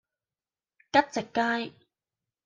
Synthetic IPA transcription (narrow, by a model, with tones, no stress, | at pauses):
kɐ˥t̚t͡sɪ˨kːaː˥j